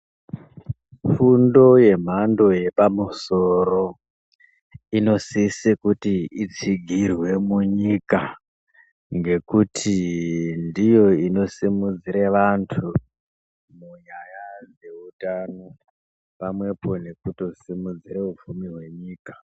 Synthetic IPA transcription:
fundo̞je̞m̤ando̞je̞pamuso̞ɾo̞ | ino̞sisikutiit͡siɡʱirwe̞muɲika | ŋɡe̞kutʰindijo̞ino̞simud͡ziɾeʋantʰu | muɲajad͡ze̞utano̞ | pamwe̞po̞ne̞kuto̞simud͡ziɾeufumiɦwe̞ɲiːkḁ

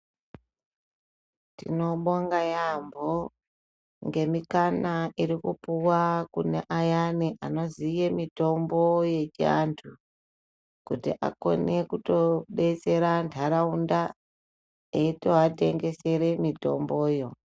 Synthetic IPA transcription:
tino̞ɓoŋɡajambo | ŋɡe̞mikanaiɾikupuwakunḛʔajaniʔano̞zijemito̞mbo̞je̞t͡ʃa̰ntʰu | kutiʔa̰ko̞̰ne̞kuto̞ɓe̞t͡se̞ɾantʰaɾaunda | eitoate̞ŋɡe̞se̞ɾe̞mito̞̰mbo̞ːjo̞

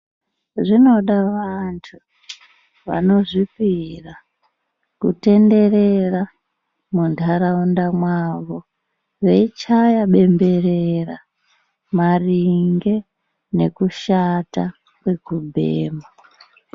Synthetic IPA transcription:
ʐino̞ɗaʋantʰu | ʋa̰no̞ʐipira | kute̞nde̞re̞ra | mundʰʱaɾaundamwaʋo̞ | ʋe̞it͡ʃajaɓe̞mbe̞rera | mariŋɡe̞ | ne̞kuʃata | kwe̞kubʱḛːma

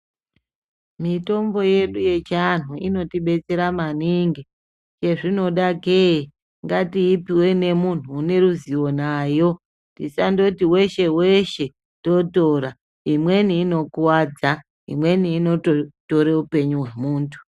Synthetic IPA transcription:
mito̞mbo̞je̞ɗuje̞t͡ʃan̤uḭno̞tiɓe̞t͡se̞ɾamaniŋɡi | t͡ʃe̞ʐino̞ɗaɡʱei | ŋɡatiːpiwe̞ne̞mun̤uːne̞ɾuziwo̞naːjo̞ | tisando̞tiwe̞ʃe̞we̞ʃe̞ | to̞to̞ːɾa | imwe̞niːno̞kuwaːd͡za | ḭmwe̞niːno̞toto̞ɾe̞upe̞ɲuɦwe̞muːntʰu̥

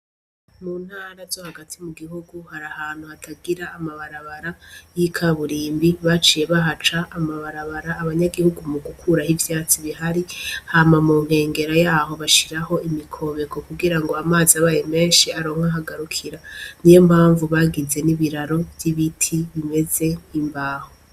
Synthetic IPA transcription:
muːn̥haːɾazo̞haɡatʰimuɡihuɡuhaɾahaːn̥huhatʰaɡiɾaːmaβaɾaβaɾajikʰaβuɾiːmbiβat͡ʃije̞βaɦat͡ʃaʔːmaβaɾaβaɾaːβaɲaɡihuɡumuɡukʰuɾahivjaːt͡siβihaɾihaːmamuːŋ̥he̞ːŋɡe̞ɾajaːho̞βaʃiɾaho̞ʔimikʰo̞βe̞ko̞kuɡiɾaŋɡo̞amaːziaβajeme̞ːʃiaɾo̞ːŋhaɦaɡaɾukʰiɾanijo̞m̥haːɱvuβaɡize̞niβiɾaɾo̞vjiβitʰiβime̞ze̞imbaːho

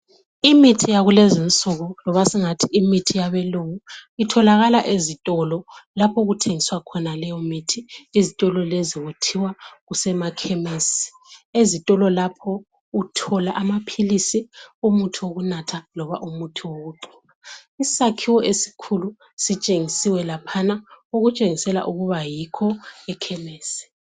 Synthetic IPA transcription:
imitʰijaɣulezint͡sʼɔɣɔlɔβasiŋatʰiimitʰijaβɛlowuitʰɔlaɣalaʔezitʼɔlɔlapʰɔɣutʰeŋiswakʰɔnalɛjɔmitʰiizitʼɔlɔleziwutʰiwaɣusɛmakʰemesi̥ | ezitʼɔlɔlapʰɔ | utʰɔlaʔamapʰilisiumutʰiwoɣunatʰalɔβa̰ʔumutʰiwoɣuǃi̥naisakʰiwɔʔesi̥kʰulu | sit͡ʃʼeŋisiwɛlapʰanaoɣut͡ʃʼeŋisɛla̰ʔuɣuβajikʰɔɛkʰɛmeːsɛ̥

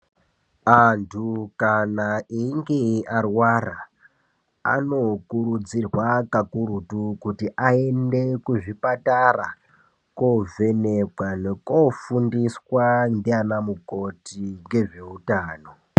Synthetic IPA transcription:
antʰukanaiŋɡearwara | a̰no̞kuɾud͡zirwakakuɾutukutiʔaende̞kuʐipatara | kove̞nekwane̞kofundiswandianamuko̞tiŋɡe̞ʐe̞utaːno̞

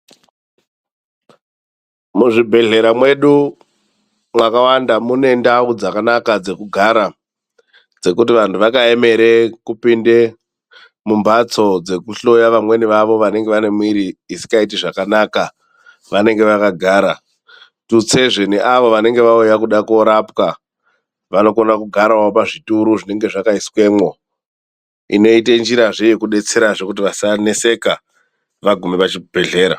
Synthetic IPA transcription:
muʐibʱe̞ɮe̞ɾamwe̞ɗu | mwakawandamune̞ndaud͡zakanakad͡ze̞kuɡʱaɾa | d͡ze̞kut̬iʋantʰuʋakae̞me̞ɾekupinde̞ | mumbat͡so̞d͡ze̞kuɬo̞jaʋamwe̞niʋaʋo̞ʋane̞ŋɡeʋane̞mwiɾiːsi̥kaitiʐakanaka | ʋane̞ŋɡe̞ʋakaɡʱaːɾa | tut͡se̞ʐeniʔaʋo̞ʋane̞ŋɡe̞ʋaujakuɗako̞ɾapka | ʋano̞ko̞nakuɡʱaɾawaopaʐituɾuʐine̞ŋɡe̞ʐakaiswe̞ːmwo̞ | ḭno̞itend͡ʒiɾaʐejekuɗe̞t͡se̞ɾaʐe̞kut̬iʋasane̞se̞ka | ʋaɡʱumeʋat͡ʃibʱe̞ɮe̞ːɾa̰

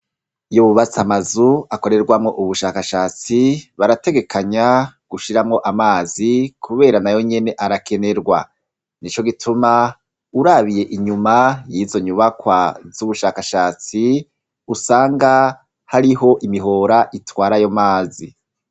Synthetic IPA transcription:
ujoβuβat͡samazuako̞ɾe̞ɾɡwamŋo̞ʔuβuʃakaʃaːt͡siβaɾate̞ɡe̞kʰaɲaɡ̥uʃiɾamŋo̞ʔamaːzikʰuβe̞ːɾanajo̞ɲe̞ne̞ʔaɾake̞ne̞ɾɡwa | nit͡ʃo̞ɡitʰuma | uɾaβije̞ʔiɲumajiːzo̞ɲuβakwavuβuʃaːkaʃaːt͡si | usaːŋɡa | haɾiɦo̞ʔimiɦo̞ːɾaʔitwaːɾajo̞maːzi

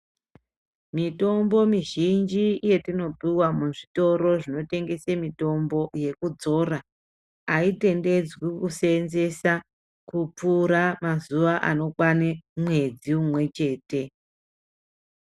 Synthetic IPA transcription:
mito̞mbo̞miʒind͡ʒiːje̞tino̞biwamuʐito̞ɾo̞ʐino̞te̞ŋɡe̞semito̞mbo̞je̞kud͡zo̞ra | aite̞nde̞d͡zwikusenze̞sa | kupuɾamazuʋaʔa̰no̞kwanemwe̞d͡ziumwe̞t͡ʃe̞ːte̞

